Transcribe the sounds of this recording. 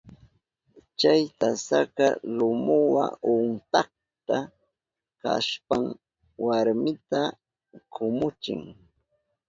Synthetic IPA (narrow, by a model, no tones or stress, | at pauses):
t͡ʃajt̪asakalʊmʊwa̰ʊnt̪ah̚ | t̪a | ka̰ʃpaŋ | waɾmɪt̪a | kʰʊmʊt͡ʃɪ̰ŋ